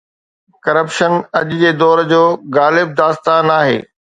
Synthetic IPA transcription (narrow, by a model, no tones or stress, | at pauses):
kɐɾəpʃənɐʄʊd͡ʑeːd̪ɔːɾd͡ʑoːɡaːlɪb̚d̪aːst̪aːnaːɦḛː